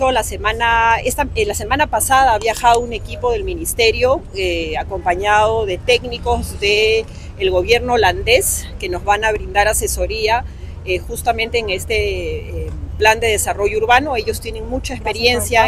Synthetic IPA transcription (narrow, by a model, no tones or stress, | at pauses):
olasemanaest̪alase̞manapasaðaaβjaxaðoune̞kipo̞ð̞e̞lminist̪e̞ɾjo̞ako̞mpaɲaðo̞ðe̞t̪e̞kniko̞zðeː | lɣo̞βje̞ɾno̞ːland̪e̞ske̞no̞zβanaβ̞ɾind̪aɾase̞so̞ɾia | exust̪amẽ̞nt̪e̞ːŋe̞st̪e | pland̪e̞ð̞e̞saro̞ʝouɾβano̞e̞ʝo̞st̪jene̞ŋmut͡ʃaespe̞ɾje̞nsja